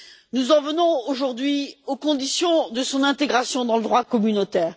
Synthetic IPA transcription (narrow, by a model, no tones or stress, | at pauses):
nuzɑ̃vənɔ̃oʒuʁd̪ɥiokɔ̃d̪isjɔ̃d̪əsɔ̃nɛ̃t̪eɡʁasjɔ̃d̪ɑ̃ləd̪ʁwakɔmynot̪ɛːʁ